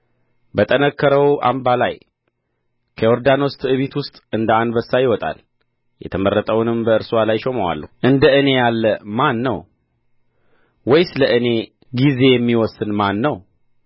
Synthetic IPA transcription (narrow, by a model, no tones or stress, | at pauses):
bət̪ʼənəkʰːəɾəwʔa̰mbalaj | kʰəoɾd̪ano̞st̪ʼɨβit̪wʊst̪ʼɨnd̪əanbəsːajɪwɔt̪ʼa̰l | jɛ̰t̪ʰəmərːət̪ʼəwnɨmbəɨɾswalajʃoməwa̰lːə̰ʔɨnd̪əʔɨne̞jalːəmanːəw | wɔjsɨləʔɨne̞ | ɡize̞jɛmːiwɔsːɨnmanːəw